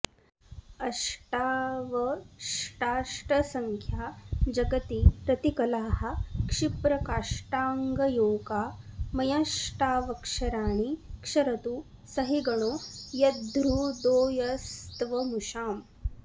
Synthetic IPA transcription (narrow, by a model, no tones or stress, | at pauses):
ɐʂʈaːʋɐʂʈaːʂʈɐsɐŋkʰjaːd͡ʒɐɡɐt̪ipɾɐt̪ikɐlaːhɐ̆kʂipɾɐkaːʂʈaːŋɡɐjoːɡaːmɐjaːʂʈaːʋɐkʂɐɾaːɳikʂɐɾɐt̪u | sɐɦiɡɐɳ̃oːjɐd̪ɾuːd̪oːjɐst̪ʋɐmuʃaːm